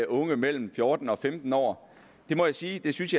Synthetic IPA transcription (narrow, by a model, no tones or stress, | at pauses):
ʔɔ̽ŋəmel̰m̩fjɔ̝ːd̥n̩ɒ̽femd̥n̩ɒ̰ː | d̥e̝mɒ̽jäsiːd̥e̝synsjɑ̈